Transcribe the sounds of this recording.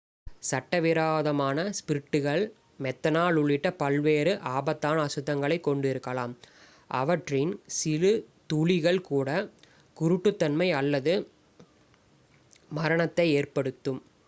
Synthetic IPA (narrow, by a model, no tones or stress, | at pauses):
sɐʈːɐʋɪɾaːðɐmaːnɐspɪɾɪʈːɯɣɐɭ | mɛt̪ːɐnaːɭʊɭːɪʈːɐpɐlʋeːɾɯʔaːbɐt̪ːaːnɐsɯðːɐŋɡɐɭɐɪkːɔɳɖɪɾɯkːɐlaːm | ʔɐ̰ʋɐʈrɪnsɪlɯt̪uːɭɪɣɐɭkuːɽɐ | kʊɾɯʈːɯt̪ːɐnmɐɪɐlːɐðɯ | mɐɾɐɳɐt̪ːɐɪeːrpɐɽɯt̪ːɯm